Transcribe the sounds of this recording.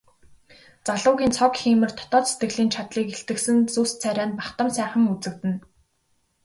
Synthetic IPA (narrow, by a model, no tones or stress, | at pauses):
t͡saɮʊːɣʲiːnt͡sʰɔkxiːmɘ̆rt̪ʰɔ̥t̪ɔːt͡sse̥t̪ɡɘ̆ɮiːnt͡ɕʰat̪ɮiːkeɬt̪ɘ̆ksɘ̆nt͡suːst͡sʰæɾʲaːnpaχt̪ə̆msæːχə̆ŋut͡sɘ̆k̚t̪ɘ̆n